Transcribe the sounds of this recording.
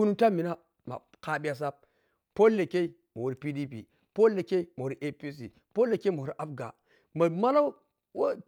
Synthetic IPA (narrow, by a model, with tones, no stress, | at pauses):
u˦nu˦ta˦mi˨na˦ | ma̰˨ | ka˨ɓi˦ja˨s̬a˦p̚ | po˦lːe˨ke˦i˦ | ma˨wu˨ɾi˨pi˦di˦pḭ˨ | po˦lːe˨ke˦i˦ma˨o˨ɾi˦ʔe˦pi˦s̬ḭ˨ | po˦lːe˨ke˦mo˨wu˨ɾi˦ʔa˦bɡa̰˨ | ma˨ma˦la˦ | wa˦